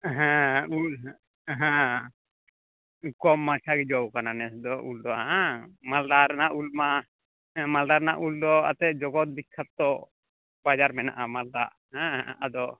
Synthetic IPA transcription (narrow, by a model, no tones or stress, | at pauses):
ɦɛ̃ul | ɦɛ̃ | kɔmːat͡ʃʰaɡɛd͡ʒɔwkananɛsd̪ɔʔuld̪ɔa̰amald̪aɾnaʔulma | mald̪aɾnaʔuld̪ɔa̰t̪ɛd͡ʒɔɡɔt̪̚bikʰːat̪̚t̪ɔ | bad͡ʒaɾmɛna̰ʔamald̪a̰ʔ | ɦɛ̃ad̪ɔ